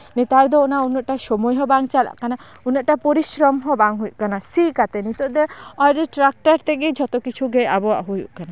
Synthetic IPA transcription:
nit̪aɾd̪ɔɔnaunɔʔʈaʃɔmɔjɦɔbaŋt͡ʃala̰ʔkana | unɔʔʈapɔɾisɾɔmɦɔbaŋɦujuʔkanasikat̪ɛnit̪ɔd̪ɛɔjɾɛʈɾak̚ʈaɾt̪eɡed͡ʒʱɔt̪ɔkit͡ʃʰuɡejabɔwa̰ʔɦujṵʔkana

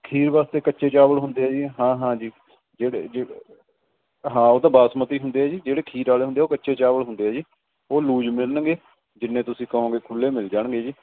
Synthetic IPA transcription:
kʰiːɾʋaːst̪eːkətːʃeːt͡ʃaːbəɽɦʊnd̪eːɛːd͡ʒiːɦãːɦãːd͡ʒiː | d͡ʒeːɽḛːd͡ʒeː | ɦãːoːt̪ãːbaːsmət̪iːɦʊnd̪eːɦɛːd͡ʒiːd͡ʒeːɽeːkʰiːɾaːleːʊ̃nd̪eːoːkətːʃeːt͡ʃaːʋəɽɦʊnd̪eːɦɛːd͡ʒiː | oːluːd͡ʒmɪlənɡeː | d͡ʒɪnːẽːt̪ʊsĩːkəɦõːɡeːkʰʊlːeːmɪld͡ʒaːɳɡeːd͡ʒiː

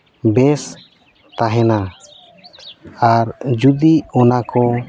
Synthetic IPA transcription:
bɛs | t̪aɦɛna | aɾd͡ʒud̪iɔnakɔ

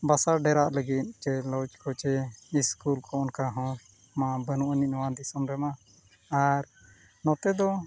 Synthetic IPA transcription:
basaɾɖɛɾaʔləɡit̪̚ˀt͡ʃɛlɔt͡ʃkɔt͡ʃɛiskulkʰɔʔɔnkaɦɔ̃ | mãbənuʔəninɔwãd̪isɔmɾɛma | aɾ | nɔ̃t̪ɛd̪ɔ

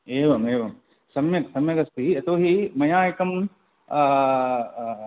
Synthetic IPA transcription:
eːʋɐmeːʋɐm | sɐmjɐksɐmjɐkɐst̪iɐt̪oːɦimɐjãːjekɐm

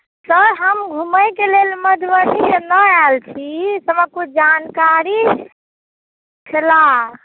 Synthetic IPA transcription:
səɾɦəmɡʱuməjkelelməd̪ʱʋəninəalt͡ʃʰisəbəkud͡ʒankaɾi | t͡ʃʰəla

